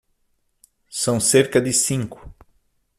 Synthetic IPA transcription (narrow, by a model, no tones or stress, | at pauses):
sɐ̃w̃seɾkɐd̪ɪsĩŋkʊ̥